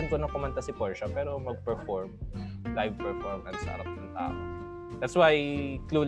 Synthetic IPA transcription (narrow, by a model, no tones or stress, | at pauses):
ɐnkonɐkʊmɐnt̪ɐsɪpɔɹʃɐpɛːɾo̞mɐɡ̚pɛɹfɔɹm | lajvpɛɹfɔɹmɐnsɐ̰ʔɐ̰ɾɐp̚nɐŋt̪a̰ːʔo | d̪̥ɐt̪swajkluːl